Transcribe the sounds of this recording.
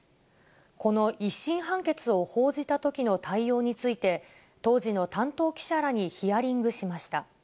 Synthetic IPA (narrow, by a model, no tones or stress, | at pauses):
ko̞no̞ʔiɕːĩɰ̃ɦãŋke̞t͡sɨo̞ho̞ːʑit̪at̪o̞kʲino̞t̪ʰaijo̞ːɲ̟it͡sɨit̪e̞ | t̪o̞ːʑino̞t̪ãnt̪o̞ːkʲi̥ɕaɾaɲ̟içijaɾʲĩŋɡɯ̟ɕimaɕi̥t̪a